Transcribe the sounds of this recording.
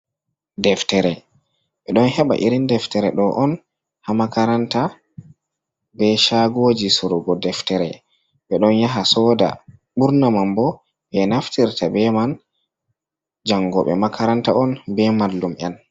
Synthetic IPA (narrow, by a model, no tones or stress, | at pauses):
dɛftɛɾɛ | ɓɛɗɔnɦɛɓa̰ʔiɾindɛftɛɾɛ̰ɗɔʔɔn | hamakaɾanta | bɛʃaɡod͡ʒisuɾuɡɔdɛftɛɾɛ̰ | ɓɛɗɔnjaɦasɔːda̰ɓuɾnamambɔ | bɛnaftiɾtʰabɛman | d͡ʒaŋɡɔɓɛ̰makʰaɾantaɔnbɛmalːumʔɛ̰n